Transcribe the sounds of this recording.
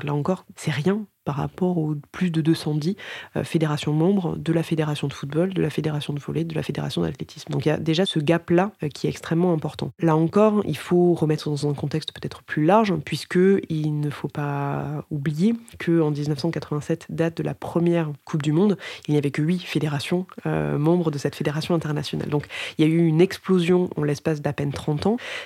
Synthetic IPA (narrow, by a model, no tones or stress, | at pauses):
laɑ̃kɔʁsɛʁjɛ̃paʁːa̰pɔʁoplysd̪əd̪øsɑ̃d̪iø̰fed̪eʁasjɔ̃mɑ̃bʁd̪əlafed̪eʁasjɔ̃d̪əfut̪̚bɔld̪əlafed̪eʁasjɔ̃d̪əvɔ̰led̪əla̰fed̪eʁasjɔ̃d̪a̰t̪let̪i̥smd̪ɔ̃kja̰d̪eʒasəɡaplakʲʰiɛt̪ɛkst̪χɛmːɑ̃ɛ̃pɔʁt̪ɑ̰̃laɑ̃kɔʁḭlfoʁəmɛt̪χəd̪ɑ̃zɛ̃kɔ̃t̪ɛkst̪pø̥t̪ɛt̪χəplylaʁʒpɥiskəilnəfopaublijekʰəɑ̃d̪iznəfsɑ̃kat̪χəvɛ̃sɛt̪d̪at̪̚d̪əla̰pχəmjɛʁkʰup̚d̪ymɔ̃d̪ilnjavɛkəɥifed̪eʁasjɔ̃ø̰mɑ̃bʁəd̪əsɛt̪fed̪eʁasjɔ̃ɛ̃t̪ɛʁnasjɔna̰ld̪ɔ̃kiljayynɛksplozjɔ̃d̪ɑ̰̃lɛspas̬d̪apɛnt̪χɑ̃t̪ɑ̃